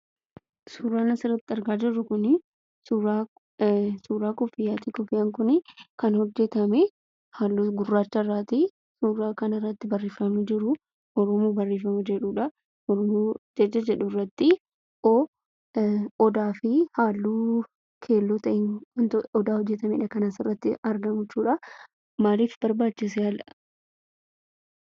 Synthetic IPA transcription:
suːɾaːnɐsɪɾɐt̪ːɐɾɡaːd͡ʒɪrːɐkʊnɪ | suɾa | suːɾaːkɔfɪjaːt̪ikɔfɪjɐŋkʊnɪkɐnhɔd͡ʒːɛt̪ɐmɛ | haːlːuːɡʊrːaːt͡ʃːɐrːaːt̪i | suːɾaːkɐnɪrːɐt̪ːɪbɐrːeːfɐmɐd͡ʒɪɾʊ | ʔɔɾɔmoːbɐrːeːfɐmɐd͡ʒɛᶑuːᶑɐ | ɔɾmːd͡ʒɛd͡ʒːɐd͡ʒɛᶑʊrːɐt̪ːɪ | ʔoː | ɔd̪aːfɪhaːlːuː | kʰe̞ːlːoːt̪ɐʔɪnɐnt̪ɔd̪aːhɔd͡ʒːɛt̪ɐmɛɪᶑɐkɐnaːsɪrːɐt̪ːɪɐɾɡɐmʊt͡ʃːuːᶑɐ | maːliːfbɐɾbaːt͡ʃːɪs̬ɛhɐlɐ

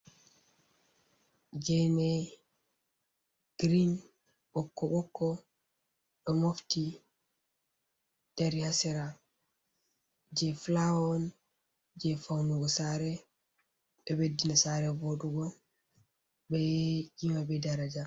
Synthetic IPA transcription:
d͡ʒɛnɛ | ɡ̥ɾin | bɔkːɔɓɔkːɔ | ɓɛmofti | d̥aɾihasɛɾa | d͡ʒɛflaɔn | d͡ʒɛfawnuɡɔsaɾɛ | ɓɛwedːinasaɾɛboɗuɡɔ | bɛd͡ʒimabɛdaɾad͡ʒa

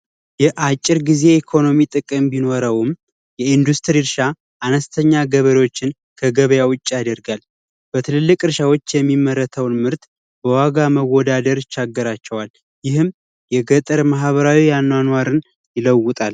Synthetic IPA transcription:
jɛʔat͡ʃʼːɪɾɡize̞ikʰo̞no̞mit̪ʼɨkʼɨmbino̞ɾəwɨm | jɛind̪ust̪ʰɾiɾʃa | ʔanəst̪ʰəɲːaɡəβəɾewot͡ʃːɪn | kʰəɡəβəjawʊt͡ʃʼːijad̪əɾɡal | b̥ət̪ʰɨlɨlːɨkʼɨɾʃawo̞t͡ʃːjɛmːimːəɾːət̪ʰəwnmɨɾt̪ | bəwaɡaməwːɔd̪ad̪əɾɪt͡ʃːaɡːəɾat͡ʃːɛwal | jɪhɨm | jɛɡət̪ʼəɾmaɦβəɾawijanːwanwaɾɨn | jɪləwːʊt̪ʼal

